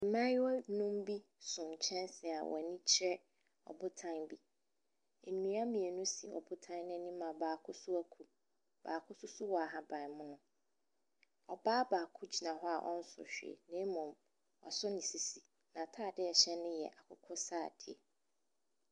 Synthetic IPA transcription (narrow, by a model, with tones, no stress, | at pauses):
m̩˨mã˦wɔ˦nũ˦m˦bi˦ | sʊ̃˨ɲ̩˨t͡ɕʰɛ̃˦nsɪ˨a̰˨wʔɔ̰˨nĩ˦t͡ɕʰɪ˦ɾɛ˦ | ɔ̰˨bʊ˦tʰã˦nbi˦ | e˨nũ˨˦a˦mĩ˨e˨nʊ̃˦si˨ɔ̰˨bʊ˦tʰã˦nɪ̃˦nɪ̃˦mã˨baː˨kʰʊ˦sʊ˦æ˦kʰu˨ | b̥a̰ː˨kʰʊ˦sʊ˦sʊ˦wɔ˨a˨ɦã˦bã˨mʊ̃˦nʊ̃˦ | ɔ˨baː˦baː˨kʰʊ˦d͡ʑi˨nã˨ɦɔ˦a̰˨ʔɔ̰̃˦n̩˦sʊ̰˨ɕᶣḛ˨nɪ̃˦mʊ̃˨m | ɔ̰˨sʊ˦nɪ̃˨si˨si˨ | nã˨tʰaː˦˨dɪ˦ɛ˨ɕɛ̃˦nɪ̃˦jɛ̰˨ʔa˨kʰʊ˦kʰʊ˦saː˦˨d̥ɪ˨ɛ̰˨